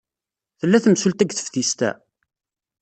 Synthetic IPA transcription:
θəlːæθəmsult̪æɡθə̥fθist̪æ̰

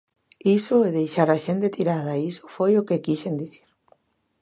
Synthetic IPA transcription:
isoeðejʃaɾaʃent̪et̪iɾað̞aiso̥fojokekiʃend̪iθiɾ

